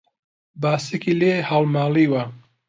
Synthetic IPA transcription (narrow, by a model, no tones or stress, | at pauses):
baːsekileːhaːlmaːliːwɐ